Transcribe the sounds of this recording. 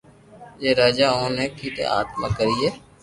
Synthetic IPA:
jeːɾaːd͡ʒaːoːnẽːkʰiːt̪ḛːa̰ːt̪ma̰ːkəɾiːeː

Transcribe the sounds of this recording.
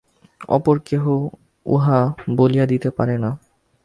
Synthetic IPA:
ɔ̰poɾkeɦo | ṵɦaboliad̪it̪epaɾena

